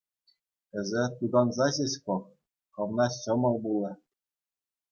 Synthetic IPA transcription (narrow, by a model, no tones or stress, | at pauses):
ɘ̆zʲɘ̆t̪ud̪ɑnzɑʑeɕkok | χɤ̆ʋnɑɕɤ̆mɤ̆lˠbulˠɤ̆